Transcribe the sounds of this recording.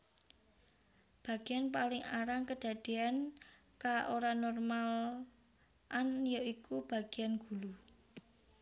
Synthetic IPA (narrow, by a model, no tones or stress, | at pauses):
b̥ä̤ɡ̥ejanpalɪŋaɾaŋkəd̪̥ä̤d̪̥e̤an | kaʔoɾanɔrmal | ʔanjaikub̥a̤ɡ̥eanɡ̥ṳlu